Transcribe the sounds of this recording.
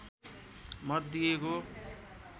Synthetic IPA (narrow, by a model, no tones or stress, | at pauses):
mʌt̪d̪ijeko